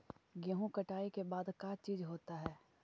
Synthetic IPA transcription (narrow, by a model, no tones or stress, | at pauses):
ɡjɐɦũkɐʈaːikebaːd̪kat͡ʃiːzɦoːt̪aɦɛː